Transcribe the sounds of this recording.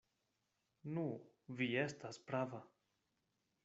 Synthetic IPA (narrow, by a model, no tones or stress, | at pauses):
nu | vie̞staspɾava